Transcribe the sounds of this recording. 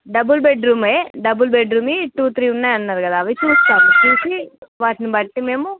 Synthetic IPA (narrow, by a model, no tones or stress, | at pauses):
ɖɐbulbeɖɾuːmeɖɐbulbeɖɾuːmiʈuːt̪ʰɾiːunːaːjɐnːaːɾukɐd̪aːʋit͡ʃuːst̪aːɾut͡ʃuːsiʋaːʈinibɐʈːime̞ːmu